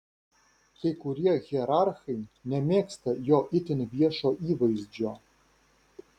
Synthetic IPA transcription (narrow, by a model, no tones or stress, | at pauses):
kʲejkʊɾʲiɛɣʲiɛɾarxɐjnʲɛmʲeːkst̪ɐjoːʔɪt̪ʲɪnʲʋʲiɛʃoːʔiːʋɐjzʲd͡ʒo